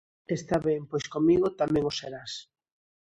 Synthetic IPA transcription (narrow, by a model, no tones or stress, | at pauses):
est̪aβeŋpojskomiɣot̪amɛ̃ŋʊseɾas